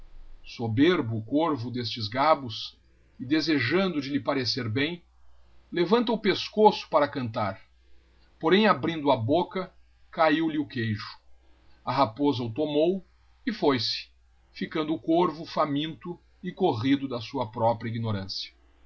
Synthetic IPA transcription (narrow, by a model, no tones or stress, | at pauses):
sobeɾbʊːkoɾvʊd̪est͡ʃɪzɡabʊs | ɪd̪ezeʒɐ̃nd̪ʊd͡ʒɪlɪpaɾeseɾbẽj̃ | levɐ̃nt̪ɐʊpeskosʊ̥paɾɐkɐ̃nt̪aɾ | poɾẽj̃abɾĩnd̪ʊɐbokɐ | kaiwlɪʊkejʒʊ̥ | ɐɦapozɐʊt̪omow | ɪfojsɪ̥ | fikɐ̃nd̪ʊːkoɾvʊfamĩnt̪ʊ | ɪkoʁid̪ʊd̪ɐsuɐpɾɔpɾjɐiɡinoɾɐ̃sjɐ̥